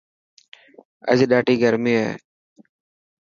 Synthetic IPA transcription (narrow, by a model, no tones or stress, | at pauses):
ə̰ziɗaːʈiːɡʱəɾmiḛː